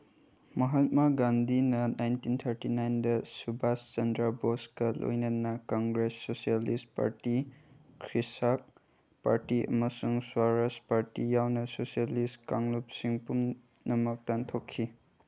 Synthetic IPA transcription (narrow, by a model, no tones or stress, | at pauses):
mɐɦat̚maɡandinɐnajntint̪ʰɐɾtinajndɐsubʱast͡ʃɐndɾaboskɐlo̰jnɐnɐkaŋɡɾesːosialist̚pa̰ɾti | kʰɾisak̚ | paɾtiʔɐ̰mɐsuŋswaɾaspaɾtijawnɐsosijalistkaŋlup̚siŋpum | nɐmɐk̚tantʰokʰːi